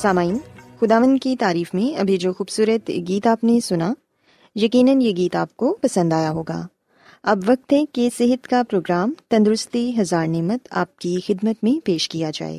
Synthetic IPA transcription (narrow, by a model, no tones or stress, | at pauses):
saːmaːiːnxʊd̪aːʋə̃nd̪kit̪aːɾiːfmẽɐbʱid͡ʒoːxuːbsuːɾət̪ɡiːt̪aːpnesʊna | jɐkiːnənjeɡiːt̪aːp̚kopɐsə̃nd̪aːjaɦoːɡa̰ː | ɐbʋɐk̚t̪ɦɛkesɪɦət̪kapɾoːɡɾaːmt̪ɐ̃nd̪ɾʊst̪iɦɐzaːɾnɛːmət̪a̰ːp̚kixɪd̪mət̪mẽpeːʃkijad͡ʒa̰ːḛː